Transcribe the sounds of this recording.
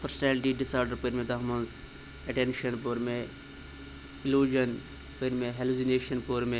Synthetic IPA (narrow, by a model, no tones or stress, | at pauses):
pʰɐɾsnɛːlʈiɖɪsaːɾɖɐɾpəɾmẽd̪ɐɦmɐns | ɐʈenʃɐnpoɾme | ɪluːd͡ʒɐn | pəɾmeɦeluzineːʃɐnpoːɾme